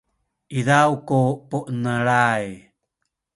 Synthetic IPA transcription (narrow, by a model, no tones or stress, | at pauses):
ʔiðawkupuʔnəɾaj